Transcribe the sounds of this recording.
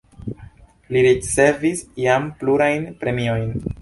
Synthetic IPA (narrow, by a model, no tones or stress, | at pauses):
liɾit͡se̞visiampluɾajnpɾe̞mio̞jn